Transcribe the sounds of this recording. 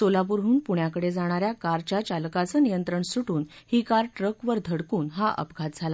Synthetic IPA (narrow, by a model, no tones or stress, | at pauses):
solapuɾɦuːnpuɳjakəɽed͡zaɽ̃aɾjakaɾt͡ɕjat͡ɕalkat͡sənijənt̪ɾəɳsuʈuːnhikaɾʈɾəkʋəɾd̪ʱəɽkuːnɦaʔə̰pɡʱat̪̚d͡zʱala